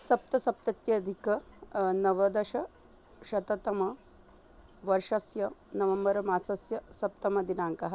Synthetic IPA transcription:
sɐp̚t̪ɐsɐp̚t̪ɐt̪jɐd̪ʱikɐnɐʋɐd̪ɐʃɐ | ʃɐt̪ɐt̪ɐmɐ | ʋɐɾʂɐsjɐnɐʋɐmbɐɾɐmaːsɐsjɐsɐp̚t̪ɐmɐd̪inaːŋkɐɦɐ

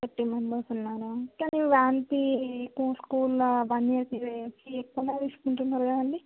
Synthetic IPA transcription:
kɐʈːimembɐɾsunːaːɾukaːniʋaːnt̪ikuːskuːlɐbɐnːijɐt̪iɾesiekːɐnaʋiːsu̥kuɳʈunːaːɾuɡaːɐɳɖi

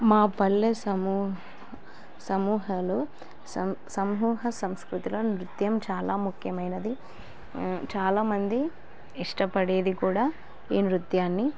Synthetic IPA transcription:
maːpɐlːesɐmuː | sɐmuːɦɐloː | sɐsɐmɦuːɦɐsɐmskɾut̪ilonɾut̪jɐmt͡ʃaːlaːmukʰjɐmɐjnɐd̪i | t͡ʃaːlaːmɐnd̪i | iʂʈɐpɐɽe̞ːd̪ikuːɽaː | iːnɾut̪jaːnːi

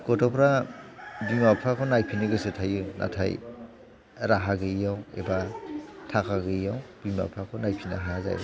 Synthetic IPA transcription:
ɡɔtɔpʰɾa | bimapʰakʰɔnajpʰiniɡɯsetʰajunʔa̰tʰa̰j | ɾaɦaɡɯijawḛbatʰakʰaɡɯjjawb̥ima̰pʰakʰɔnajpʰina̰ɦaza̰j

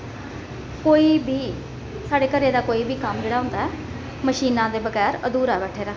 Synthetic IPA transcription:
koːiːbiː | saːɖeːkəɾeːd̪aːkoːiːbiːkəmd͡ʒeːɽaːɦʊ̃nd̪aːɛː | məʃiːnãːd̪eːbəɡɛːɾəd̪uːɾaːʋɛːʈʰeːɾaː

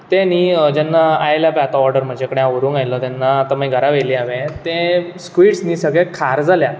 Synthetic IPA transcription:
t̪ẽniːd͡ʑɛnːaajljapɛat̪aɔɾɖəɾm̤əd͡ʑekəɽjãʋəɾũːŋajlɔt̪janːaːt̪əm̤ãiɡʱəɾaʋeliːaʋẽt̪ẽskʋiːʈsniːsəɡɭɛ̃kʰaɾd͡zalja

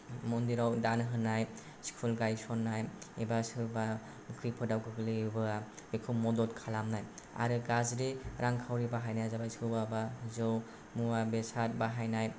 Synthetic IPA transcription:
mɔndiɾawdanɦɯnaj | si̥kʰulɡajsɔnːajebasɯba | ɯkʰɯpʰɯdawkʰɯɡlibɯabekʰɯmɔdɔtkʰalamnaja̰ɾɯɡazɾiɾaŋkʰawɾibaɦajnajzabajsɯbabazɔw | muabesat̚baɦajnaj

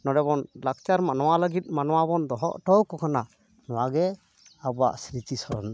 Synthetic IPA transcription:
nɔɖɛbɔnlak̚t͡ʃaɾmanɔwaləɡit̪̚ˀmanɔwabɔnd̪ɔɦɔʔʈɔwkɔkʰana | nɔwaɡɛ | abɔa̰ʔsɾit̪isɔɾɔ̰n

